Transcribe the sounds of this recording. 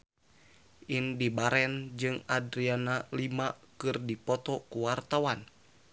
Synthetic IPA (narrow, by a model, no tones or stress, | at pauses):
ʔindibaɾɛnd͡ʒɨŋadɾianalimakɨrdipɔt̪ɔkuwart̪awan